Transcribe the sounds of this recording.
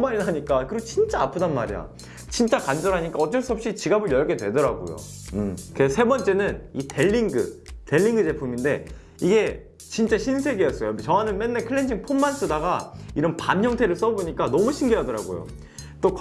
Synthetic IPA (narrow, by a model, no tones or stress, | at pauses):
maɾinɦaɲik͈akɯɾeɡot͡ɕint͡ɕ͈aapʰɯdanmaɾija̰ | t͡ɕint͡ɕ͈akand͡ʑʌɾɦaɲik͈aʌt͡ɕ͈ʌɭs͈uɦʌp̚ɕ͈it͡ɕiɡabɯɭjʌɭke̞dwe̞dʌɾaɡo̰jo̰kesʰe̞bʌnt͡ɕ͈e̞nɯnite̞ʎːiŋɡɯte̞ʎːiŋɡɯd͡ʑe̞pʰuminde̞ | iɡe̞ | t͡ɕint͡ɕ͈aɕʰinsʰe̞ɡijʌs͈ʌjot͡ɕʌwanɯnme̞nːekʰɯɭːend͡ʑʰiŋpʰommːans͈ʰɯdaɡaiɾʌnpanɦjʌŋtʰe̞ɾɯɭs͈ʌboɲik͈anʌmuɕʰiŋɡiɦadʌɾaɡo̰jo̰ | t͈ok